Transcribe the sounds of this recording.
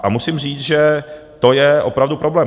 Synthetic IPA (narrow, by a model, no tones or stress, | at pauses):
ʔamusɪmr̝iːt͡sʒɛt̪o̞jɛʔo̞pɾavdupɾo̞blɛː